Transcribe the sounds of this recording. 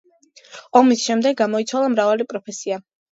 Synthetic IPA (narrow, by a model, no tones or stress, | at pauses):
ɔmisʃɛmd̪ɛɡːamɔit̪sʰwalˠamɾavalipʼɾɔpʰɛsia